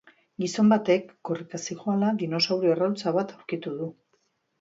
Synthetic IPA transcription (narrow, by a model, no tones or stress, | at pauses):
ɡiso̞mbat̪e̞kːo̞rik̪asiʝoalaðino̞sawɾio̞erawlt͡saβ̞at̪awɾkit̪uðu